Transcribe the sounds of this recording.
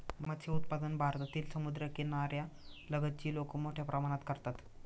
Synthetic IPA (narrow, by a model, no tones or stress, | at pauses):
mmət̪ɕʰeut̪̚pad̪ənbʱaɾt̪at̪iːlsəmud̪ɾjəkenaɾjaləɡət̪̚t͡ɕiːlokəmoʈʰjapɾʔəmaɽ̃at̪kəɾt̪at̪